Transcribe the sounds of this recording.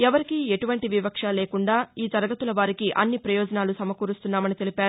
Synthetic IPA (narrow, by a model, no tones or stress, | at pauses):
ɛʋɐɾikie̞ʈuʋɐɳʈiʋipɐkʂaːlɛːkuɳɖaːiːt̪ɐɾɐɡɐt̪ulɐʋaːɾikiʔɐnːipɾɐjɔːd͡ʒɐnaːlusɐmɐkuːɾust̪unːaːmɐnit̪e̞lipaːɾu